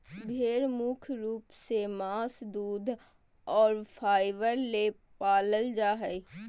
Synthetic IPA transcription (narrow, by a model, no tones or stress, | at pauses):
bʱeːɽmuːkʰɾuːpsemaːsd̪uːd̪ʱ | ɔːɾfʰaːɪʋəɾle | paːləld͡ʒaːɦɛ